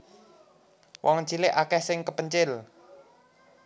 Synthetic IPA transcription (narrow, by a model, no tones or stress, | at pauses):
wʔɔŋɲt͡ʃilɪʔakɛhsɪŋkəpəɲt͡ʃɪl